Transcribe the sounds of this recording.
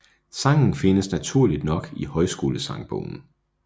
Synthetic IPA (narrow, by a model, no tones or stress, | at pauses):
sɑ̈ŋn̩fe̝nəsnæt͡sʰuɐ̰lid̥nɒ̽ɡ̥ihɒ̽ɪsɡ̥o̝ːləsɑ̈ŋb̥o̰ʊn̩